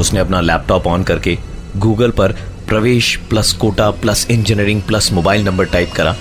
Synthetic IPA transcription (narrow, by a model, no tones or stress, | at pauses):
ʊsneɐpnalɛːp̚ʈɔːpɔːnkɐɾke | ɡuːɡəlpɐɾpɾɐʋeːʃplɐskoːʈaplɐsɪ̃nd͡ʒɪneɾɪ̃ŋɡ̚plɐsmoːbaːɪlnɐ̃mbəɾʈaːɪpkɐɾaː